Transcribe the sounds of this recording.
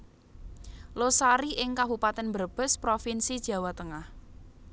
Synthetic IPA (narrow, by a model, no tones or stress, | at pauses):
losaɾiʔɪŋkaɦupat̪ɛnbərb̥ə̤spɾofinsid̥ʒ̥ä̤wat̪əŋah